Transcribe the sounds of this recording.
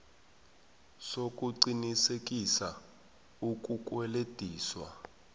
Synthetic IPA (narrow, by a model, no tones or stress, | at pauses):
sok̬ʼuǀinisek̬ʼisa | ukʼukʼwɛled̥ʱiːswa̰